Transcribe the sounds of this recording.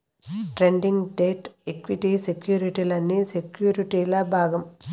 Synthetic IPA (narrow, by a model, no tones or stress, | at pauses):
ʈɾeɳɖiŋɡɖeːʈekʋiʈisekjuːɾiʈiːlɐnːiːsekjuːɾiʈiːlɐbʱaːɡɐm